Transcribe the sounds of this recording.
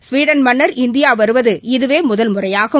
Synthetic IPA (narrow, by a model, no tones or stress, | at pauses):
sʋiːɽɐnmɐɳːɐɾɪnd̪ɪjaːʋɐɾɯʋɐðɯɪðɯʋeːmʊðɐlmʊrɐjaːɣɐ